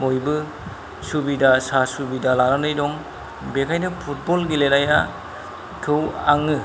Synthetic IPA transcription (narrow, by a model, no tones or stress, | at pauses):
mojbɯ | subidasasubidalaɾanɯjdɔŋ | bekʰajnɯpʰut̚bɔlɡilenaja | kʰɯwaŋɯ